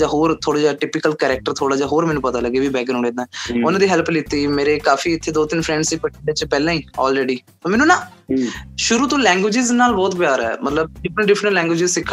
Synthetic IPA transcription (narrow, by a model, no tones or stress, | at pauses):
d͡ʒaːɦoːɾt̪ʰoːɽaːd͡ʒaːʈɪːpɪkəlkɛːɾɛːk̚ʈəɾt̪ʰoːɽaːd͡ʒaːɦoːɾmɛ̃ːnũpət̪aːləɡeːʋiːbɛːɡənʊ̃ːɽẽːd̪aːʊnãːd̪iːɦɛlplɪt̪ːiːmeːɾeːkaːfiːɪt̪ʰːeːd̪oːt̪ɪnpʰɾɛ̃ːɳɖsiːpəʈːɖet͡ʃpɛːlãːĩːɔːlɾeːɖiːt̪oːmɛːnuːnaː | ʃʊɾuːt̪õːlɛ̃ːŋɡwɪːd͡ʒɪznaːlbɔːt̪pjaːɾɛ̰ːmət̪ləb̚ɖɪpʰɾə̃ɳʈɖɪpʰɾəɳʈlɛ̃ːŋɡwʋɪːd͡ʒɪzsɪkʰː